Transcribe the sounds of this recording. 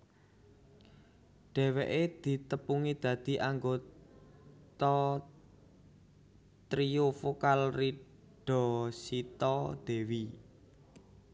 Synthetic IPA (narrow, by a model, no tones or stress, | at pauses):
ɖ̥ɛ̤wɛʔed̪̥i̤t̪əpuŋid̪̥ä̤d̪̥i̤ʔaŋɡo | t̪ɔ | t̪ɾiofokalri | ɖ̥ɔ̤sit̪ɔd̪̥ɛ̤wi